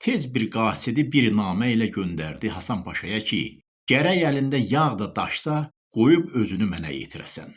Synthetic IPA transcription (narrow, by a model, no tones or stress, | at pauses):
t̪ʰe̞zbiɾɡɑːsid̪ibiɾnɑːmæilæɟønd̪æɾd̪iɦɑsɑnpʰɑʃɑjɑcʰḭ | ɟ̥æɾæjælind̪æjɑʁd̪ɑd̪ɑʃsɑ | ɡ̥o̞jubø̞zynymænæ̰jḛt̪ʰiɾæ̰sæ̰n